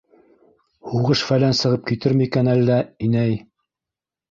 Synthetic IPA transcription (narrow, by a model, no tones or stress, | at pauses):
huʁɤʃfælænsɤ̆ʁɤp̚kit̪ɘɾmikænælːæinæj